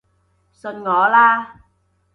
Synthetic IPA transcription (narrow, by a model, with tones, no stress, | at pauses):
sə˨˩nŋɔ˨˩˦laː˧˩